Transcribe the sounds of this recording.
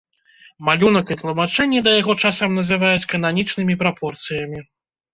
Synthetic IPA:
malʲunɐkit̪lˠumat͡ʂɛnʲːɛd̪ɐjaɣɔt͡ʂasɐmnɐzɨvajut͡sʲkɐnanʲit͡ʂnɨmʲipɾapʰɔrt̪sɨjɐmʲi

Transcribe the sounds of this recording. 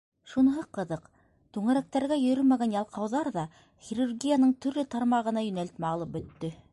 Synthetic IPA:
ʃunɤ̆ɦɤqːɤ̆ðɤq | t̪ʉŋæɾæk̚t̪æɾɡæjɵ̆ɾɵlmæɡænjɑlˠqʰɑwðɑɾðɑ | χʲirurɡʲijanɤɴt̪ɵ̆ɾlɵt̪ɑɾmɑʁɤ̆nɑjɵ̆nælt̪mæɑlˠɤp̚bɵ̆t̪ːɵ

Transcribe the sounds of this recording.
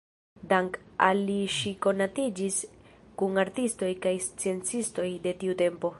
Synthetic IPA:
daŋkaliʃiko̞natid͡ʒis | kuŋaɾtisto̞jkajst͡sie̞nt͡sisto̞jde̞tiute̞mpo̞

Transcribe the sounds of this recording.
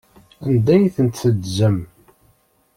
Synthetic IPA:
ænd̪æjθənt̪θəd̪zəm

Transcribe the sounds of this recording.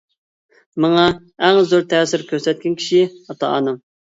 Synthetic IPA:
mɑŋɑ | æŋzoɾt̪ʰɛːsɪɾkʲʰøɾsɛt̪̚kʲɛnkʲʰi̥ʃiɑt̪ʰɑ̰nɨŋ

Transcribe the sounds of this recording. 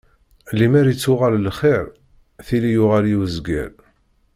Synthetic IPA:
limæɾit͡sːʊʁallχeɾ | θilijʊʁaljiwzɡæ̰l

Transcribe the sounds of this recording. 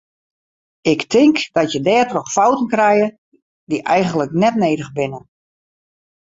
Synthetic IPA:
ɪktɪŋkd̥ɔtjədɛːtrɔxfɔwtənkrɛjə | diʔɛjɣəndələknɛtneːdəɣbɪnən

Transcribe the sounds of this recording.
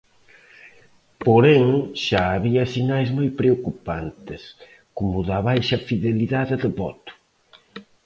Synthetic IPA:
poɾɛŋʃaːβiɐsinajzmojpɾeokupant̪ɪs | komʊðɐβajʃɐfiðeliðaðɪðɪβɔ̰t̪ʊ̥

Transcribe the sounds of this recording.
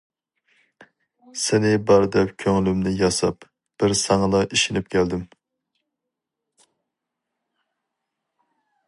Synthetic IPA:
sɪnɪbɑɾd̪ɛpkʲʰøŋlymnɪjɑsɑp | b̥ɪɾsɑŋɨlˠɑʔiʃinɪpkʲʰæld̪ɪm

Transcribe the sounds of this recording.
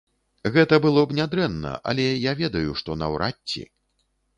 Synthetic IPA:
ɣɛt̪ɐbɨlˠɔbnʲad̪ɾɛnːɐ̰ʔa̰lʲɛjavʲɛd̪ɐjuʂt̪ɔnɐ̰wɾʔatʲːḭ

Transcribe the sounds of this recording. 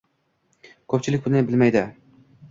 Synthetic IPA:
kʲʰɵp̚ʲt͡ʃʰilɪk̚ʲbʊnɪbɪlmæjd̪ɪ

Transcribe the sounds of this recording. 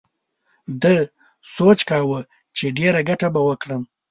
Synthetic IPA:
d̪ə | sot͡ʃkɑːwə | t͡ʃeɖeɾaɡaʈabawəkɽəm

